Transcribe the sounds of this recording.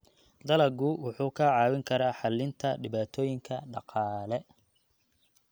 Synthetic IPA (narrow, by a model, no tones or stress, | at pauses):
d̪ɐlɐɡʊwʊħuːkʰɐʕɑːwɪŋkʰɐɾaːħɑlɪnt̪ʰɐɖɪβaːt̪ʰɔːjɪŋkʰɐɖɑ̰qɑːlɛ